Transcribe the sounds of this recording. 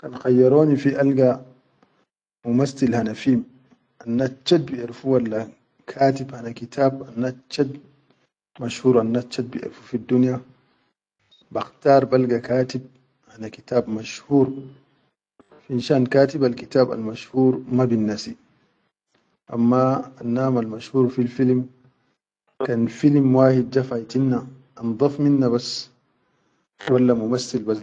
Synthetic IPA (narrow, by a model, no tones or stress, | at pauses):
kanxajːaɾoːnifiʔalɡa | mumasːilhanafiːm | ʔanːat͡ʃːat̪̚biʔiɾfuwalːa | kʰaːt̪ibhanakit̪ʰaːb̚anːat̚t͡ʃːad̪̚ | maʃhuːɾanːat͡ʃːat̪̚biʔḭɾfu̥fid̪ːunja | baxt̪aːɾˤbalɡakaːt̪ib̚ | hanakit̪aːbmaʃhuːɾ | fiʔnʃaːnkaːt̪ibalkit̪aːba̰lmaʃhuːɾmabinːasi | ʔa̰mːaːnːaːmalmaʃhuːɾfilfilm | kanfilmwaːhid̪̚d͡ʒafajt̪inːa | ʔnd̪ˤɑfminːaβas | walːamumasːilba